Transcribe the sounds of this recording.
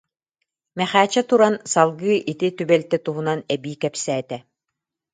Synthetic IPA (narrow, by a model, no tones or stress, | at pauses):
mɛχæːt͡ɕɛt̪uɾansalˠɡɯːʔit̪it̪ybɛlt̪ɛt̪uɦunanɛbiːkɛpsæːt̪ɛ